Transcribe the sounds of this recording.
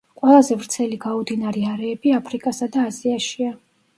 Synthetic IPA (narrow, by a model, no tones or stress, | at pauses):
qʼwɛlˠazɛvɾt̪sʰɛliɡaɔd̪inaɾɛaɾɛːbiapʰɾikʼasad̪aːziaʃia